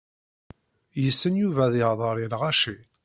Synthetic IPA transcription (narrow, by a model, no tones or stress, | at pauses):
jəsːənjuvæðɪʁðˤəɾˤilʁaʃil